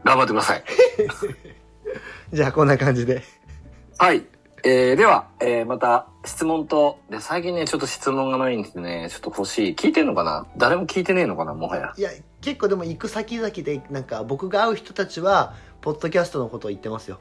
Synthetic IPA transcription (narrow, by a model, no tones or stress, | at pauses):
ɡãmbat̪ːekɯɾasa̰i | d͡ʑaːkõ̞nːakãɲ̟d͡ʑid̪e̞ | hai | eːd̪e̞βaeːmat̪a | ɕi̥t͡sɨmõ̞nt̪o̞d̪e̞saik̬ʲĩnːet͡ɕo̞t̪ːo̞ɕi̥t͡sɨmõ̞ŋɡanaĩnd̪esd̪enet͡ɕot̪ːoho̞ɕiːkʲiːt̪eno̞kana̰d̪aɾe̞mo̞kʲiːt̪e̞neːno̞kana̰mo̞haja̰ija | ke̞kːo̞ːd̪e̞mo̞ikɯ̟sakʲizakʲid̪e̞nãŋkabo̞kɯ̟ɡaːɯ̟çi̥t̪ot̪at͡ɕiβa | po̞d̪ːo̞kʲasɨ̥t̪o̞no̞ko̞t̪o̞ːit̪ːe̞masɨjo̞